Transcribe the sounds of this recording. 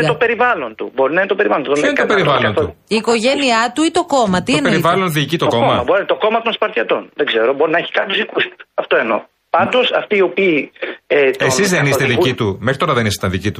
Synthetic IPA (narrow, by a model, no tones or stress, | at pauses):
t̪opeɾivɐlo̞nt̪ṵbo̞ɾinɐinet̪opeɾivɐlont̪uðooinet̪opeɾivɐlont̪uiːko̞ʝeniɐt̪uit̪o̞ko̞mɐt̪ipeɾivɐlo̞nðiːcit̪oko̞mɐɐboɾint̪oko̞mɐt̪o̞nspɐɾt̪ʰçɐt̪o̞nðeɡze̞ɾobo̞ɾinɐeçi̥kɐnt̪uzðikust̪u̥ɐft̪oeno̞̰ | pɐnd̪o̞sɐ̰ft̪iːo̞piːeessizðenisst̪eðicit̪umexɾit̪o̞ɾɐðenisest̪ɐnðicit̪u